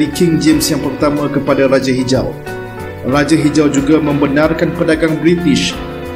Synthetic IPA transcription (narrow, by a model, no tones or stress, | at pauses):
ikɪŋd͡ʒemsjaŋpərt̪amãkəpadaɾad͡ʒaɦid͡ʒa̰l | rad͡ʒaɦid͡ʒald͡ʒuɡamə̃mbənarkanpədaɡaŋbɾit̪ɪʃ